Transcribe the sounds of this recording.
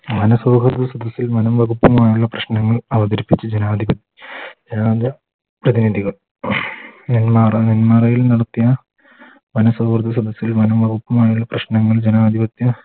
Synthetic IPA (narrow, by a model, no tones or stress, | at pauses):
mɐnɐsoːkɐrd̪ʰɐsɐd̪ɐsːilmɐnɐmʋɐɣupːɐmaːjuɭːɐprɐɕnɐŋːɐɭɐʋɐd̪ɐɾipːit͡ɕːɐd͡ʑenaːd̪ʱibɐt̪ːjɐd͡ʑenaːd̪ɐ | prɐðiniðiɣɐɭ | nenmaːrninmarɐjilnɐɽɐt̪ːijɐ | mɐnɐsoːkrd̪ɐsɐd̪ɐsːilmɐnɐmʋɐɡupːɐmaːjuɭːɐprɐɕnɐŋːɐɭd͡ʑenaːd̪ʱibɐt̪jɐ